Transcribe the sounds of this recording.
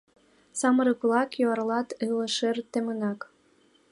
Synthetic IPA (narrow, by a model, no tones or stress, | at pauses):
sɑməɾəplˠɑkjoɑrlɑt̪ɯlɤ̆ʃert̪emənɑk